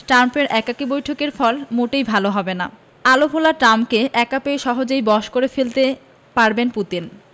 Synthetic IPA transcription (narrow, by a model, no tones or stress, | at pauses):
ʈɾampeɾʔɛkakibojʈʰokeɾfɔlmoʈejbʱaloɦɔbena̰ | alobʱolaʈamkeʔɛkapeʃɔɦod͡ʑejbɔʃkoɾefelt̪e | paɾbenput̪in